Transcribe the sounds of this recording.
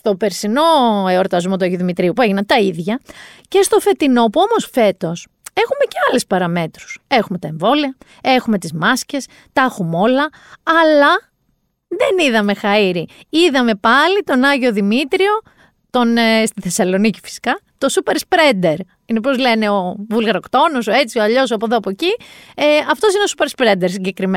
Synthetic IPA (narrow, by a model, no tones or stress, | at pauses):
st̪o̞pe̞ɾsino̞eoɾt̪ɐzmo̞t̪uɐʝoðimit̪ɾiupue̞ʝinɐnt̪ɐiðʝɐce̞st̪o̞fe̞t̪ino̞puo̞mo̞sfe̞t̪o̞s | e̞xume̞ce̞ɐlespɐɾɐme̞t̪ɾu̥se̞xume̞t̪ɐeɱvo̞liɐ | e̞xume̞t̪izmɐsce̞s | t̪ɐxumo̞lɐː | lɐ | ðeniðɐme̞xɐiɾiiðɐme̞pɐlit̪o̞nɐʝo̞ðimit̪ɾio̞ | t̪o̞nest̪iθe̞sɐlo̞nici̥fi̥si̥kɐt̪o̞supe̞ɾspɾend̪e̞ɾ | inepo̞zle̞ne̞o̞vulɣɐɾo̞kt̪o̞nosoe̞t͡sioɐʎo̞soɐpoðoɐpoecieɐft̪o̞sineosupe̞ɾspɾend̪eɾsiɲɟekɾime